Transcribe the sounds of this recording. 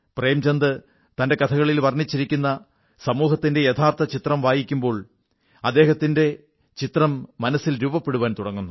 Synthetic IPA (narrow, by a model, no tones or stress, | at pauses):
pre̞ːmt͡ɕɐnd̪ɨ | t̪ɐnde̞kɐt̪ʰɐɣɐɭilʋɐrnit͡ɕːiɾikʲːunːɐ | sɐmuːɦɐt̪ːinde̞jet̪ʰaːrt̪ɐt͡ɕit̪rɐmʋaːjikʲːumbo̞ːɭ | ɐd̪ːe̞ːɦɐt̪ːinde̞ | t͡ɕit̪rɐmːɐnɐsːilɾuːbɐpːe̞ɽuʋaːnt̪uɽɐŋːunːu